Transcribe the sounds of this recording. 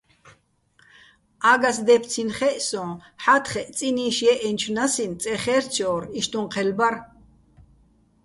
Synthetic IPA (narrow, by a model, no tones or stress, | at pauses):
aɡas̬d̪ɛpʰt͡sʰinχɛʔsɔ̃ːħat̪ʰχɛʔt͡sʼiniːʃjɛʔɛnt͡ʃʰunasint͡sʼɛχɛːrt͡ʃʰɔːɾiʃt̪ʼunqʰɛlbaɾ